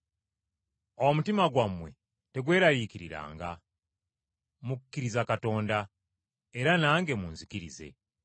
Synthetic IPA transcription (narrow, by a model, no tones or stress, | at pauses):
omutimaɡwamwe̞̰ | te̞ɡwe̞ːɾajikiɾḭɾa̰ːŋɡa̰ | muku̥kːiɾizakato̞ːnda | eɾanaːŋɡe̞munzikiɾḭze̞̰